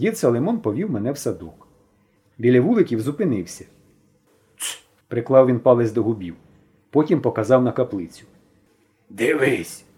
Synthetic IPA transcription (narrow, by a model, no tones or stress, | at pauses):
jʲid̪sɐlˠemɔnpɔʋʲiwmɛnɛwsɐd̪uk | bʲilʲɐʋulˠɪkʲiwzʊpɪnɪwsʲɐ̥ | pɾɪklˠɑwʋʲinpɑlˠɪzʲd̪ɔɦʊbʲiw | pɔtʲimpɔkɐzɑwnɐkɐplˠɪt͡sʲʊ̥ | d̪ɪʋɪsʲ